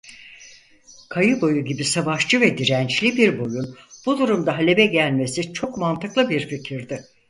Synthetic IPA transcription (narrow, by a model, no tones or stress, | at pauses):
kʰajɯbo̞juɟibisavaʃt͡ʃɯvɛd̪iɾænt͡ʃlʲibiɾbo̞junb̥ud̪uɾumd̪aɦalʲe̞bɛɟælʲme̞sit͡ʃʰo̞kmant̪ɯklˠɯbiɾficʰiɾd̪ɪ